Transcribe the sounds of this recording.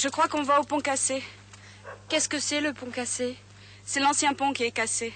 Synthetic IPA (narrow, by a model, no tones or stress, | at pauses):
ʒəkχwakɔ̃vaopɔ̃kase | kɛskəsɛləpɔ̃kase | sɛlɑ̃sjɛ̃pɔ̃kʲiɛkase